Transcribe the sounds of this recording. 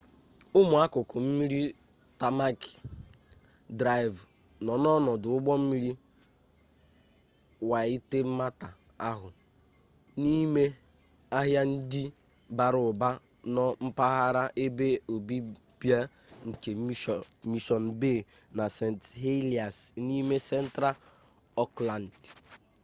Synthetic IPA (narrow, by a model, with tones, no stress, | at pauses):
ʊ˦mʊ˨a˦kʊ˨kʊ˨m̩˦mi˦ɾi˦ | ta˨ma˦k | dɾa˦jv | nɔ˨nɔ˦nɔ˨dʊ˨ʊ˦ɡ͡bɔ˦m̩˦mi˦ɾi˦ | wa˨i˦te˦m̩˦ma˦ta˨ | a˦ɦʊ˨ | ni˦me˦ | a˦ɦja˦n̩˦di˦ | ba˨ɾʊ˨ba˦ | nɔ˦m̩˦pa˦ɦa˦ɾa˦ʔe˦be˦o˨bi˦ | pja˦ | ŋ̩˨ke˨˦mi˨ʃɔ˨n˨be˦˨ | na˨se˨n˨tɦe˦li˨a˨sni˦me˦sɛ˦n̩˦tɾa˦ | ɔ˦kla˨n˨d